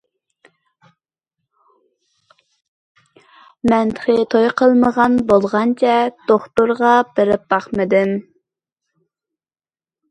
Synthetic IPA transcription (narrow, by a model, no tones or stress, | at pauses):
mɛnt̪ʰə̥χət̪ʰojqʰəlˠməʁɑnbolˠʁɑnt͡ʃʰɛd̪̥oχt̪ʊɾʁɑb̥ɪɾɪp̚bɑχmɨd̪ɪm